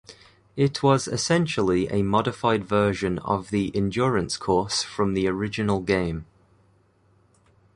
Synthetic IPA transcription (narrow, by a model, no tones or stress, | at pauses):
ɪʔʰwɒzɪ̰sɛ̃nʃəlˠiʔə̰mɒdɪfaɪdvɜːʒə̃nə̰vðiʔɪ̃nd͡ʒɔːɹə̃nskʰɔˑsfɹə̃mðiəɹɪd͡ʒɪnəlˠɡẽɪ̃m